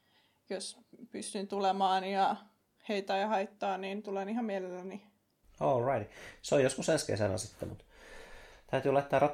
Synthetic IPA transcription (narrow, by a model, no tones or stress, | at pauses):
jospyst̪ynt̪ulemɑːnjɑ | heit̪æːjɑhɑit̪ːɑːniːnt̪ulenihɑmmielelːæni | olɹɑit̪seojoskusenskḛsænæ̰sit̪ːæ̰mṵt̪ | t̪æyt̪yːlɑet̪ːæːrɑt